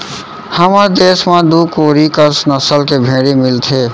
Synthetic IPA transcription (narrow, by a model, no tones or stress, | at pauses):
həməɾd̪eːsmãd̪uːkoːɾikəsnəsəlkebʱẽːɽemɪlt̪ʰeː